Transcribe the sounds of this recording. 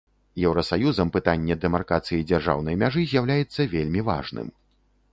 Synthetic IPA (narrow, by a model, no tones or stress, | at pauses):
jɛwɾɐsajuzɐmpɨt̪anʲːɛd̪ɛmarkat̪sɨjid͡zʲarʐa̰wn̪ɐjmʲaʐɨzʲjawlʲajɛt̪sːɐvʲelʲmʲiva̰ʐnɨ̰m